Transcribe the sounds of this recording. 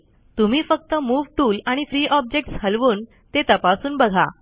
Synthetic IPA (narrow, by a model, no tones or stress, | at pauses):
t̪um̤iːfək̚t̪əmuːʋʈuːlaɽ̃ifɾiːʔɔb̚d͡ʑek̚ʈshəlʋuːn | t̪et̪əpasuːnbəɡʱa̰